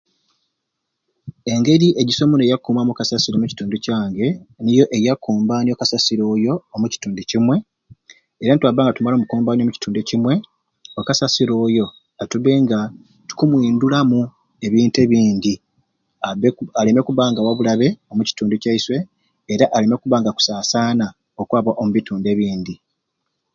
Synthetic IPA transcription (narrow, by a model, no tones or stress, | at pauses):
e̞ŋɡe̞ɾiʔe̞ɟiso̞munejakːuːmamukasasiɾo̞muci̥tuːnducaːŋɡe̞nijo̞ʔe̞jakːuːmbaːnio̞kasasiɾo̞ːjo̞ːmuci̥tuːnducimwe̞ | eɾanitwaβːaːŋɡatumaloːmukuːmbaːnjomuci̥tuːnducimwe̞ | okasasiɾo̞ːjo̞ | atuβe̞ːŋɡa | tu̥kumwiːndulamu | e̞βiːnte̞βiːndi | aβealeme̞kuβaːŋɡawaβulaβe̞omuci̥tuːnducaiswe̞ː | ɾaʔaleme̞kuβaːŋɡaku̥saːsaːna | okwaːβaʔo̞muβituːnde̞βiːnd̪i